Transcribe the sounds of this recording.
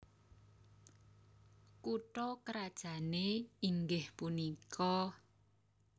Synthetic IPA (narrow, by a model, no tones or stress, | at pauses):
kuʈɔkəɾad̥ʒ̥ä̤neiŋɡɪhpunikʰɔ